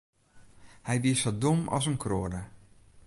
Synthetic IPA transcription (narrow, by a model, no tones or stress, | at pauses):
hɛjʋiəsodomɔ̰s̬ənkʰroːdə